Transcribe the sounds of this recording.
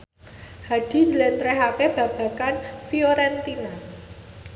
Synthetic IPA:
had̥i̤dlɛnt̪ɾɛɦakeb̥ä̤b̥a̤kanfioɾɛnt̪ina

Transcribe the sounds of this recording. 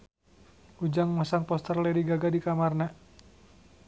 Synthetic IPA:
ud͡ʒaŋmasaŋpɔst̪ərlɛdiɡaɡadikamarna

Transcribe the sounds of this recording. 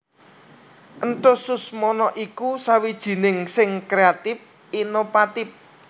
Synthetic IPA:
ʔənt̪ʊsʊsmɔnɔʔikusawid̥ʒ̥i̤nɪŋsɪŋkɾeat̪ɪf | inofat̪ɪf̚

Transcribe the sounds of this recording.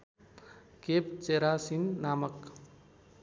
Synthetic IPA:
kep̚t͡ʃeɾasinːaːmək

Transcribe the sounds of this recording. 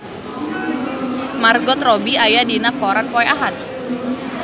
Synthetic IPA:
marɡɔt̪rɔbiajadinakɔɾanpɔɛaɦat̪̚

